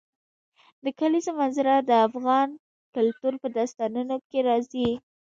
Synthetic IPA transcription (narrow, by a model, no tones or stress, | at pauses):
d̪əkalizomanzɪɾad̪əafɣɑn | kʊlt̪uɾpəd̪ast̪ɑnunokeɾɑzi